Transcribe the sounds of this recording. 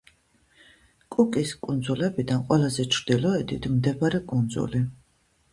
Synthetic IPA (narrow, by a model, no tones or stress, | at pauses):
kʼukʼiskʼund̪zulɛbid̪anqʼwɛlazɛt͡ʃʰɾd̪̥ilɔɛd̪it̪ʰmd̪ɛbaɾɛkʼund̪zṵli